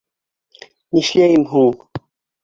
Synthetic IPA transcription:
nʲiʃlʲæjɘmɦuɴ

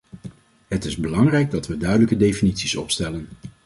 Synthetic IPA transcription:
ɦətɪzbəlɑŋrɛjɡ̚dɑtʋədœɥdələkədejfinitsisɔ̰pstɛlən

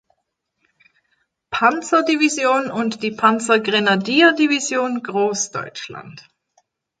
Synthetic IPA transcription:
pʰant͡sɐdivizjoːnʊntd̥iːpʰant͡sɐɡʁenadiːɐdivizjoːnɡʁoːsd̥ɔ̰ʏt͡ʃla̰nt

